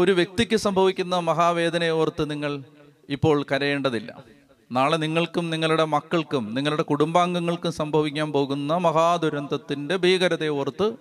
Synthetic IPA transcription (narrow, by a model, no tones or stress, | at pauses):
o̞ɾuʋjek̚t̪ikʲːɨsɐmbʱɐʋikʲːunːɐmɐɦaːʋe̞ːd̪ʱɐnɐjoːrt̪ːɨniŋːɐɭ | ipːo̞ːɭkɐɾɐje̞ːɳɖɐðilːɐ̰ | naːɭniŋːɐɭkumniŋːɐɭuɽe̞mɐkːɐɭkumniŋːɐɭuɽe̞kuɽumbaːŋɡɐŋːɐɭkumsɐmbʱɐʋikʲːaːnpo̞ːɣunːɐmɐɦaːd̪ʱuɾɐnd̪ʱɐt̪ːinde̞bʱiːɣɐɾɐðɐjoːrt̪ːɨ